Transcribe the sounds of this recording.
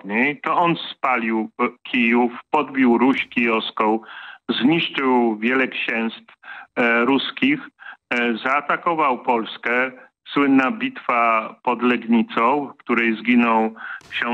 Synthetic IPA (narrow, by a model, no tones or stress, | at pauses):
ɲejt̪ɔɔnspalʲiwkʲijufpɔd̪bʲjiwɾuɕkʲijɔskɔ̃w̃zɲiʂt͡ʂɘwvʲjɛlɛkɕɛ̃w̃st̪fɾuskʲix | zaːt̪akɔvawpɔlskɛ | swɘnːabʲit̪fapɔd̪lɛɡɲit̪sɔ̃w̃kt̪uɾɛjzɡʲinɔwkɕɛ